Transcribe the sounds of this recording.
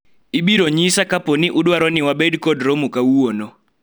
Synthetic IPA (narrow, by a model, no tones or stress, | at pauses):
iɓiɾɔɲisakʼapʼoniʔuɗwaɾoniwaɓedikʼɔdrɔmukʼauɔːnɔ